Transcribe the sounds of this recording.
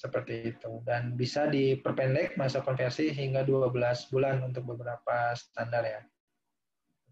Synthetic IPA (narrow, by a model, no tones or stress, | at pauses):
səpərt̪iːt̪udanbisadipərpɛndɛk̚masakɔnfɛrsiɦiŋɡaduabəlasbulanunt̪̬ʊk̚bəbəɾapasə̥t̪andarɲa